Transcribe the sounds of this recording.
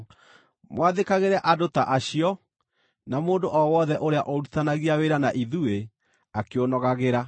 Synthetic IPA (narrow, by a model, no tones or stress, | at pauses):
mwaðekaɣeɾɛʔadotaʔaɕiɔ | namoːndoʔɔwɔðɛʔoɾeaʔɔɾutanaɣiaweɾanaʔiðue | akeonɔɣaɣeɾa